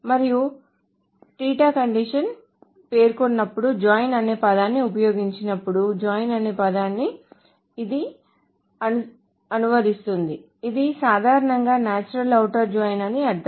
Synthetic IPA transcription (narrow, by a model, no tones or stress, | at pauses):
mɐɾiju | ʈiːʈaːkɐɳɖiʂɐn | pe̞ːɾkonːɐpːuɽud͡ʒaːjnɐne̞ːpɐd̪aːnːiupɐjo̞ːɡiɲt͡ʃinɐpːuɽud͡ʒaːjnɐne̞ːpɐd̪aːnːiː | d̪i | ɐnu | ɐnuʋɐɾist̪und̪i | id̪isaːd̪ʱaːɾɐnɐŋɡaːnaːt͡ʃuɾɐlɐwʈɐɾd͡ʒaːjnɐniɐɐ